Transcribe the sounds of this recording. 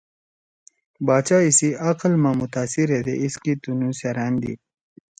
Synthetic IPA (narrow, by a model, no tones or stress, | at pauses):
baːt͡ɕaisiɐqlmãmʊt̪aːsiɾed̪ḛʔiskit̪unũseɾaːnd̪ḭ